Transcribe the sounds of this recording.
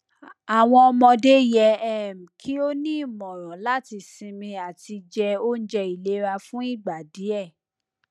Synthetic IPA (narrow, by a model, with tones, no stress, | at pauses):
a˨w̃ɔ̃˧ɔ˧mɔ̃˧de˦jɛ˧˦ɛ˦˨m̩˨kʰi˨˦o˦nĩ˦˨mɔ̃˨ɾ̃ɔ̃˨˦la˦ti˧sĩ˧mĩ˧a˨ti˧d͡ʒɛ˧o˦n̩˦d͡ʒɛ˧i˨le˨˦ɾa˧fũ˦i˦˨ɡ͡ba˨di˨˦ɛ˦˨